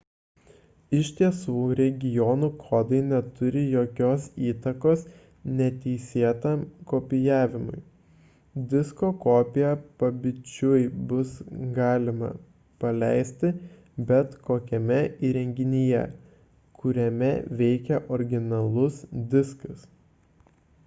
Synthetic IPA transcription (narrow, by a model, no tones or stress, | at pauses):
ɪʃʲt̪ʲiɛsuːɾʲɛɡʲɪjɔːnuːkʰoːd̪ɐɪnʲɛt̪ʊɾʲɪjoːkʲoːsiːt̪ɐkoːs | nʲɛt̪ʲɛɪsʲiɛt̪ɐmkoːpʲɪjæːʋʲɪmʊ̰ɪ | d̪ʲɪskoːkoːpʲɪjɛpɐbʲɪt͡ʃʲʊjbʊsɡɑːlʲɪmɐ̰ | pɐlʲæɪsʲt̪ʲɪ | bʲɛt̪koːkʲɛmʲɛʔiːɾʲɛŋʲɡʲɪnʲɪjɛ̰ | kʰʊɾʲɛmʲɛ̰ʋʲɛɪkʲɛʔɔɾʲɡʲɪnɐlˠʊsd̪ʲɪskɐs